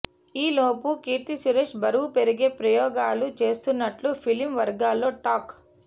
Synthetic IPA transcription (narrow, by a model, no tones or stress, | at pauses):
iːloːpukiːt̪isuɾeʃbɐɾuʋupeɾiɡe̞ːpɾɐjɔːɡaːlut͡ʃe̞ːst̪unːɐʈlupʰilimʋɐɾɡaːlːo̞ːʈaːk